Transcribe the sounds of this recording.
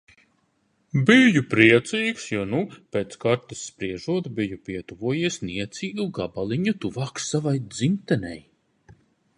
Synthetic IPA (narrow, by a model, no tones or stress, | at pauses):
bijupɾiɛt̪siːksjuːnupeːt̪skaɾt̪ɨsːpɾiɛʒuɔt̪bijupiɛt̪uvuɔjiɛsʲniɛt̪sʲiːɡuɡabalˠiɲut̪uvaːksːavajd̪zimt̪ɛnɛ̰j